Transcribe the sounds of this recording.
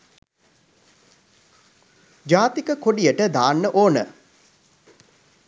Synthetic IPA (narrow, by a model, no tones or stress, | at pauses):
d͡ʒaːt̪ikəkoɖijəʈəd̪aːnːəʔoːnə̰